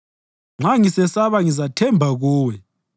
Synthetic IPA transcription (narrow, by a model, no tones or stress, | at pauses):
ŋ͡ǁʱaŋisɛsaβaŋizatʰɛmbʱaɣuːwɛ